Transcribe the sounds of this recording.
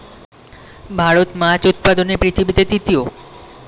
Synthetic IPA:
bʱaɾot̪mat͡ɕut̪̚pad̪onepɾit̪ʰibit̪et̪it̪io

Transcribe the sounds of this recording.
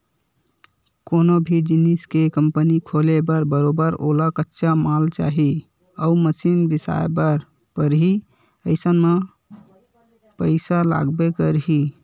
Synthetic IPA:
konobʱid͡ʒiniskekəmpənikʰolebəɾbəɾobəɾo̰lakətːʃamalt͡ʃa̰ɦi | əuməsinbisa̰ebəɾ | pəɾɦi | əɪsənme | pəɪsala̰ɡbekəɾɦi

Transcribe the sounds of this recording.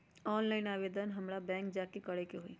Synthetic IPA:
ɔːnlaːɪnaːʋeːd̪ənɦɐmɾabɛ̃ːŋk̚d͡ʒaːkekɐɽekeɦoiː

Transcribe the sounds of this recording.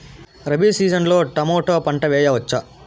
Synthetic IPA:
ɾɐbiːsiːd͡ʒɐnloːʈɐmoːʈoːpɐɳʈɐʋɛːjɐʋɐt͡ʃːa

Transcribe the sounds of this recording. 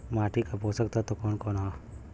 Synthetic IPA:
maːʈikaposəkt̪ʰat̪okɔːnkoːnɦo

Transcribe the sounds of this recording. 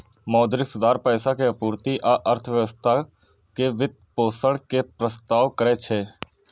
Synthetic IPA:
mɔːd̪ɾɪksʊd̪aːɾpɛːsakeəpuːɾt̪iʔaʔəɾt̪ʰʋjəʋəst̪ʰa | keʋɪd̪̚poːsəɽkepɾəst̪aːʋkəɾet͡ʃʰeː

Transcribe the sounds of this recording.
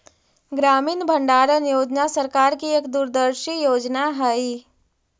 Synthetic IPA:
ɡɾaːmiːnbʱə̃ɳɖaːɾənjoːd͡ʒnasəɾkaːɾkieːkd̪uɾd̪əɾʃijoːd͡ʒnaɦəi

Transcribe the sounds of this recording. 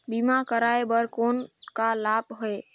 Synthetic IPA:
bimakəɾaebəɾkonkalapɦoe

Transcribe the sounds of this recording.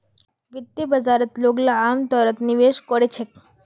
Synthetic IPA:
ʋit̪ːibəd͡ʒaɾət̪loɡlaːmt̪ɔɾət̪niʋeʃkɔɾet͡ʃʰek

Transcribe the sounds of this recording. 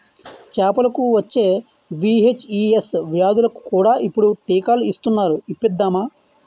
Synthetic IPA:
t͡ʃɛːpɐlɐkuʋɐt͡ʃːe̞ː | ʋiːet͡ʃiːesʋjaːd̪ulɐku̥kuːɽaːʔipːuɽuʈiːkaːluist̪unːaːɾuipːid̪ːaːmaː

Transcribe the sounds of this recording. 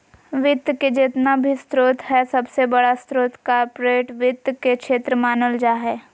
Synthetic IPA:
ʋɪt̪jked͡ʒɪt̪nabʱist̪ɾoːt̪ɦɛsɐbsebɐɽast̪ɾoːt̪kapɾeːʈʋɪt̪kekʃeːt̪ɾəmaːnəld͡ʒaːɦɛː

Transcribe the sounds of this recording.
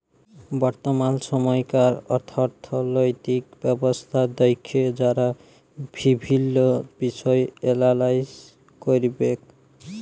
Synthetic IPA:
bɔɾt̪omansɔmɔjkaɾɔɾt̪ʰɔɾt̪ʰolojt̪ikbɛbost̪ʰad̪ɔjkʰːed͡ʒaɾa | bʱibʱilːobisɔeelalaj | koɾibek

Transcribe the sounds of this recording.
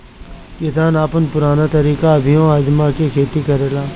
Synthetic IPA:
kɪsaːnaːpənpʊɾaːnat̪əɾiːkabʱɪjõaːd͡ʒmaːkekʰeːt̪ikɐɾeːlaː

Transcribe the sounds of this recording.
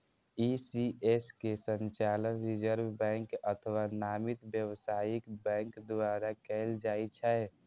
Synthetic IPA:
isieskesə̃nt͡ʃaːlənɾid͡ʒəɾbbɛ̃ːŋkət̪ʰəwanaːmit̪bjəwsaːjɪkbɛ̃ːŋkd̪owaːɾakɛld͡ʒaːit͡ʃʰaɛ

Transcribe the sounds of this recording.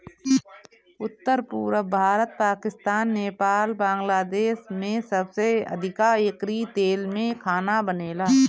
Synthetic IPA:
ʊt̪ːəɾpuːɾəbʱaːɾət̪̚paːkɪst̪aːnːeːpaːlbãːŋɡlaːd̪eːʃmẽsəbseɐ̰d̪ʱɪkaekɾit̪eːlmẽkʰaːnabəneːlaː

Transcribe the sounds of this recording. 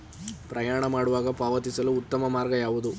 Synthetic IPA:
pɾɐjaːɳɐmaːɽuʋaːɡɐpaːʋɐt̪isɐluːt̪ːɐmɐmaːɾɡɐjaːʋud̪u

